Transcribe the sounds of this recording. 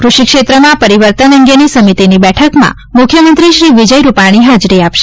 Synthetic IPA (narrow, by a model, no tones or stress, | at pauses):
kɾʊʃikʃet̪ɾəmãpəɾiʋəɾt̪ənə̃ŋɡenisəmit̪inibɛʈʰəkmã̰ | mʊkʰjəmənt̪ɾiʃɾiʋid͡ʒəjɾupaɽ̃iɦad͡ʒɾiapʃe̥